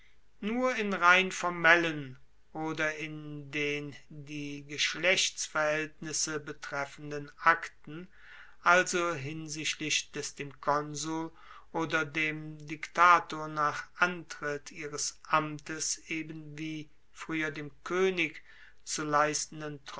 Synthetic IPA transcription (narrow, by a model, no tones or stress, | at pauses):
nuːɐɪnʁaɪnfɔɐmɛlən | ʔoːdɐɪndeːndiːɡəʃlɛçt͡sfɛɐhɛltnɪsəbətʁ̥ɛfən̩dənʔaktn̩ | ʔalzoɦɪnzɪʃtlɪʃd̥ɛsd̥eːmkʰɔnzul | ʔoːdɐdeːmdɪktʰaːtoːɐnaːχʔantʁ̥ɪtʰiːʁəsʔamtəsʔeːbənviː | fʁ̥yːɐdeːmkʰøːnɪk | t͡sulaɪstn̩dənt